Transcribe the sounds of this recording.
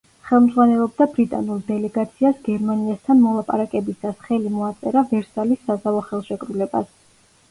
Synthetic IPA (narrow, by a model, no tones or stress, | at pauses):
χɛlˠmd̪zʁwanɛlˠɔb̚d̪abɾit̪ʼa̰nulˠd̪ɛlɛɡat̪sʰiasɡɛɾmaniast̪ʰanmɔlˠapʼa̰ɾakʼɛbisasχɛlimɔat̪sʼɛɾavɛɾsalisːazavɔχɛlˠʃɛkʼɾulɛba̰s